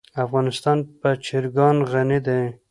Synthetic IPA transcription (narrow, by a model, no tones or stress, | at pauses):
afɣɑnɪst̪ɑnpət͡ʃɪɾɡɑnɣanid̪e